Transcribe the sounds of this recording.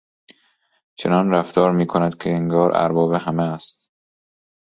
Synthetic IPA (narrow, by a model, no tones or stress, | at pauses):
t͡ʃʰenɒːnɾæft̪ʰɒːɾmiːkʰonæd̪kʲʰeːŋɡɒːɾʔæ̰ɾbɒːbehæmeːst̪